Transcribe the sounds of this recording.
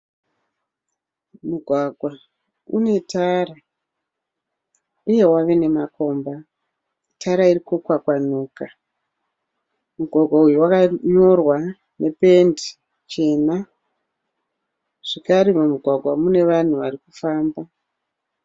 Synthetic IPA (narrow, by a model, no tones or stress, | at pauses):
muɡʱwaɡʱwa | ṵne̞taːra | uje̞waʋe̞ne̞mako̞ːmba | itʰaɾairikukwakwan̤uːka | muɡʱwaɡʱwaujuwakaɲo̞rwa | ne̞pe̞ndi | t͡ʃe̞ːna | ʐ̥ikaɾimumuɡʱwaɡʱwamune̞ʋan̤uʋarikufaːmba